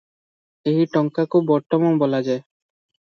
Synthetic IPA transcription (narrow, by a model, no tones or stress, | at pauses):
eɦiʈɔŋkakubɔɾt̪ɔmanbɔlad͡ʒae